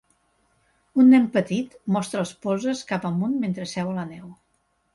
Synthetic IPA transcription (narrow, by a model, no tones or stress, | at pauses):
unːɛmpət̪it̪mɔst̪ɾəːlˠspɔzəskapəmunment̪ɾəsɛwələnɛw